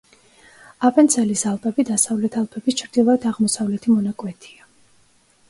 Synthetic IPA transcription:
apʼɛnt̪sʰɛlisalˠpʼɛbid̪asavlɛt̪ʰalˠpʼɛbist͡ʃʰɾd̪ilˠad̪ʰaʁmɔsavlɛt̪ʰimɔnakʼwɛt̪ʰia

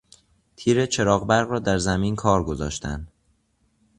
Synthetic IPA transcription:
t̪ʰiːɾet͡ʃʰe̞ɾɒːɣbæɾɣɾɒːd̪æɾzæmiːnkʰɒːɾɡo̞zɒ̰ːʃt̪ʰæ̰nd̪̥

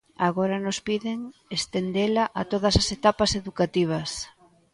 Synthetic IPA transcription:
aɣoɾɐnʊspiðɪŋest̪end̪elaʔat̪oð̞ɐsɐset̪apɐseðukat̪iβ̞ɐs

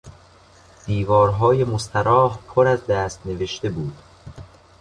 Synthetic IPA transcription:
d̪̥iːvɒːɾɦɒːje̞most̪ʰæɾɒːhpʰoɾæzd̪æːst̪neve̞ʃt̪e̞buːd̪̥

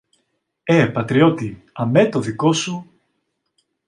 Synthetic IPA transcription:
epɐt̪ɾio̞t̪i | ɐmet̪o̞ðiko̞su

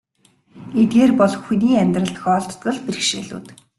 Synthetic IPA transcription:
et̪̚ɡeːrpɔɮxxuniːæmʲt̪rə̆ɬt̪̆xɔːɮt̪ɔ̥t̪ɡə̆ɮper̆xʃeːɮṵːt̪

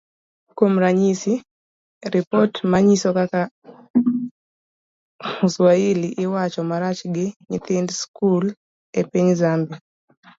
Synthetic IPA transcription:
komɾaɲisi | ɾipɔtmaɲisɔkaka | uswailiʔɪwat͡ʃɔmaɾat͡ʃɡɪɲḭt̪ɪndskul | epiɲzambi

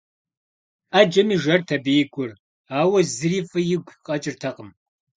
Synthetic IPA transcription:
ad͡ʒɐmiːʒɐrtʰɐbijɪkʷʰʼʊr | aːwɐzɨriːfɨjɪɡʷqʼɐt͡ʃʼɪrtʰɐqʼəm

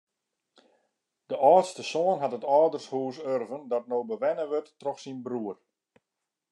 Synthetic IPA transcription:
d̥əʔɔːtstəsoːənɦatətɔːdərshuːsørvəndɔtnoːbəʋɛnəʋøtːrɔxsinbruər

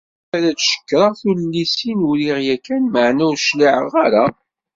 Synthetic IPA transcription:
æɾæt͡sʃə̥kːɾˤɑθullːisinuɾiʁjækːænməʕnæwʃliʕəʁaɾa

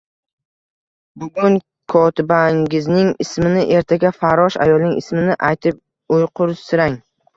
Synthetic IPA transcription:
bʊɡʊn | kʰɒt̪ʰɪbaŋɡʲɪznɪŋɪsmɪnɪʔe̞ɾt̪ʰaɡʲafaɾɒʃa̰jɒlˠnɪŋɪsmɪnɪʔajt̪ʰɪp̚ | ʊjqʰʊɾsɪɾaŋ

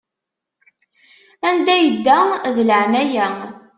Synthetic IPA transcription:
ænd̪æjəd̪ːæðləʕnæjæ

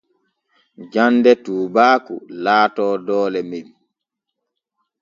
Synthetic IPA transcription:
d͡ʒandɛtuːbaːkulaːtɔːdɔːlɛmin

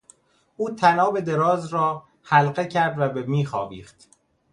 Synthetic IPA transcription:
ʔuːt̪ʰænɒːbe̞d̪eɾɒːzɾɒː | hælɢe̞cʰæɾd̪væbemiːxɒːviːχt̪

